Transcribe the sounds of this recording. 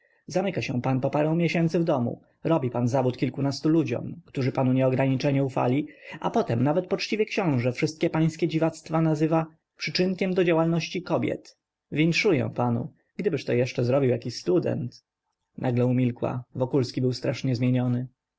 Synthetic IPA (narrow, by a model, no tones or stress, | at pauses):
zamɘkaɕɛ̰̃panpɔpaɾɔ̃w̃mʲjɛɕɛnt̪sɘvd̪ɔmṵ | ɾɔbʲipanzavut̪kʲilkunast̪ulud͡ʑɔ̰mkt̪uʐɘpanuɲɛɔɡɾaɲit͡ʂɛɲɛufa̰lʲiʔa̰pɔt̪ɛmnavɛt̪̚pɔt͡ʂt͡ɕivʲjɛkɕɔ̃w̃ʐɛfʂɘst̪̚kʲɛpaj̃skʲɛd͡ʑivat̪st̪fanazɘva | pʂɘt͡ʂɘnkʲɛmd̪ɔd͡ʑawalnɔɕt͡ɕikɔbʲjɛ̰t̪ | vʲintʂujɛ̰̃panṵ | ɡd̪ɘbɘʂt̪ɔjɛʂt͡ʂɛzɾɔbʲiwjakʲiɕst̪ud̪ɛ̰nt̪ | nʔaɡlɛumʲilkwa̰vɔkulskʲibɘwst̪ɾaʂɲɛzmʲjeɲɔnɘ